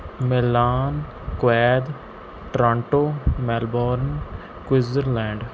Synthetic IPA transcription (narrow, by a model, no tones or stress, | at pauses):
melaːn | kwɛːd̪ | ʈɾãːɳʈoːmɛːlbɔːɾn | kwɪzəɾlɛ̃ːɳɖ